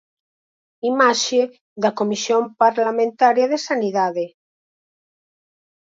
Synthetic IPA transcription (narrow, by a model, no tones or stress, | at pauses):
imaʃe | ðakomisjõmpaɾlamẽnt̪aɾjaðesaniðaðe